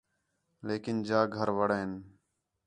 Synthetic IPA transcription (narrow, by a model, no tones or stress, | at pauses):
leːkɪnd͡ʒaːɡʱəɾʋəɽəɦɪn